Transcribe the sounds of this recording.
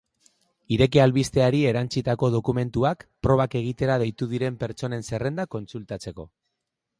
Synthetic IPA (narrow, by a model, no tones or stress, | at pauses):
iɾe̞kealβist̪e̞aɾie̞ɾant͡sit̪ako̞ð̞o̞kume̞nt̪uakpɾo̞β̞ake̞ɣ̞it̪e̞ɾað̞e̞jt̪uð̞iɾe̞mpe̞ɾt͡ʃo̞ne̞nse̞re̞nd̪ako̞nt͡sult̪at͡se̞ko̞̰